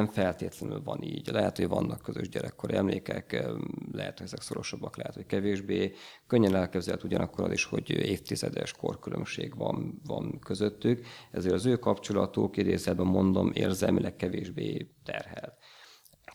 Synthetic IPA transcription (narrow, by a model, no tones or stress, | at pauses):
mfɛlt̪eːt̪lɛnylvɒniːɟlɛɦɛt̪ho̞ɟvɒnːɒkːøzø̰ʒɟɛɾɛkːoɾɛmleːkɛklɛɦɛt̪hoɟɛzɛkso̞ɾo̞ʃɒbːɒklɛɦɛt̪hockɛveːʒbeːkøɲːɛnɛlkɛbzɛlt̪uɟɒnɒkːoɾɒ̰ziʃho̞ɟeːft̪izɛd̪ɛʃko̰rkylʔø̰mʃeːɡvɒnvɒnkøzøt̪ːykɛzeːɾɒzøːkɒpt͡ʃolɒt̪okid̪eːzɛlbɛmːo̞nd̪omeːrzɛlmilʔɛkːɛveːʒbeːt̪ɛrɦɛlt̪